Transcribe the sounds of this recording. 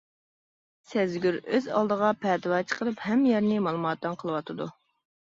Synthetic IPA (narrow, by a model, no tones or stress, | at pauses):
sɛzɡʲyɾøzɑ̰lˠd̪əʁɑpʰɛːt̪ɨwɑt͡ʃʰə̥qʰəlˠɨphɛmːjɛɾnɪmɑlˠumɑt̪̚d̪ːɑnqʰəlˠɨwɑt̪ʰɨd̪u